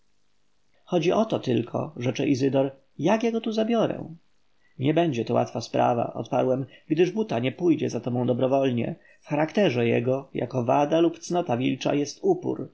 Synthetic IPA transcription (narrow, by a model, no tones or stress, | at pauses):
xɔd͡ʑiʔɔt̪ɔt̪ɘlkʰɔ̰ʐɛt͡ʂɛʔizɘd̪ɔɾ | jakjɛɡɔt̪uzabʲjɔɾɛ̰̃ | ɲɛbɛɲd͡ʑɛt̪ɔwa̰t̪faspɾa̰va̰ʔɔ̰t̪paɾwɛmɡd̪ɘʐbut̪aɲɛpujd͡ʑɛ̰zat̪ɔbɔ̃w̃d̪ɔbɾɔvɔlɲɛ̰ | fxaɾakt̪ɛʐɛjɛ̰ɡɔja̰kɔvad̪alupt̪snɔt̪avʲilt͡ʂa̰jɛst̪upṵɾ